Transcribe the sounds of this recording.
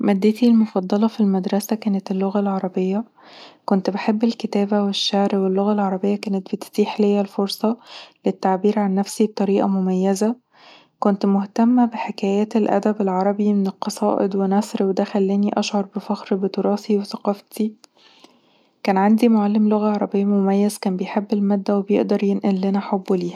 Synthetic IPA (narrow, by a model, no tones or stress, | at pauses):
mæd̪ːet̪ilmofɑd̪ˤːɑlɑfilmæd̪ɾˤɑsækæːnæt̪elːoɣælʕɑɾˤɑbejːɑ | kont̪beħebːelket̪æːbæweʃːaʕɾwelːoɣælʕɑɾˤɑbejːɑkæːnet̪̚bet̪t̪iːħlejːælfoɾsˤɑlet̪ːaʕbiːɾʕanːæfsib̚t̪ˤːɑɾiːʔɑ̰momæjːæzæ | kont̪moht̪æmːæbeħekæːjæːt̪elʔæ̰d̪æbelʕɑɾˤɑbimenelqɑsˤɑːʔḛd̪wenæsˤɾwed̪æxælːæːniʔɑʃʕɑɾˤbefæxɾbet̪ˤoɾˤɑːθiweθæqɑːft̪ʰi | kæːnʕand̪imoʕalːemloɣæʕɑɾˤɑbejːæmomæjːæzkæːnbejħebːelmæːd̪ːæwebjḛʔd̪ɑɾˤjenʔælːænæħobːliːhæ